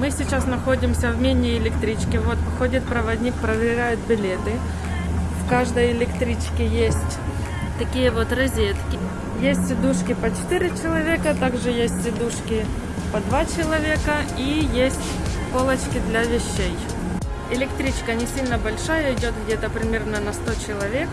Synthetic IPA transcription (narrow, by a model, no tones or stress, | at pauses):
mɨsʲɪt͡ɕasnɐxo̞dʲɪmsʲɐvmʲenʲɪɪlʲɪkt̪ɾʲit͡ɕkʲɪvot̪xodʲɪt̪̚pɾəvɐdʲnʲik̚pɾəvʲɪɾʲæjɪt̪̚bʲɪlʲet̪ɨ | fkaʐd̪əjɪlʲɪkt̪ɾʲit͡ɕkʲɪjesʲtʲ | t̪ɐkʲijəvo̞t̪rɐzʲet̪kʲɪ | jesʲtʲsʲɪd̪uʂkʲɪpɐt͡ɕɪ̥t̪ɪɾʲɪt͡ɕɪlˠɐvʲe̞kət̪aɡʐɨjesʲtʲsʲɪd̪uʂkʲɪ | pɐd̪vat͡ɕɪlˠɐvʲekə | ijesʲtʲ | polˠət͡ɕkʲɪd̪lʲɐvʲɪɕːej | ɪlʲɪkt̪ɾʲit͡ɕkənʲɪsʲilʲnəbɐlʲʂajəɪdʲo̞t̪ɡdʲet̪əpɾʲɪmʲe̞rnənɐst̪ot͡ɕɪlˠɐvʲe̞k